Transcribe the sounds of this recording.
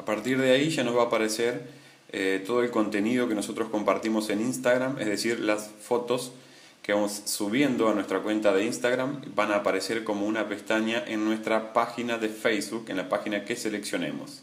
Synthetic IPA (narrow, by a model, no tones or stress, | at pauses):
apaɾt̪iɾðeaiʒanozβaːpaɾeseɾ | et̪o̞ð̞oelko̞nt̪e̞nið̞o̞keno̞so̞t̪ɾo̞sko̞mpaɾt̪imo̞se̞ninst̪aɣɾamḛzðesiɾlasfo̞t̪o̞s | keβamo̞sːuβ̞je̞nd̪o̞anwe̞st̪ɾakwe̞nt̪aðe̞inst̪aɣɾambanaːpaɾe̞se̞ɾko̞mo̞unape̞st̪aɲaʔe̞nːwe̞st̪ɾapaxinaðe̞fejsβukenlapaxinake̞sele̞ksjo̞nḛmo̞̰s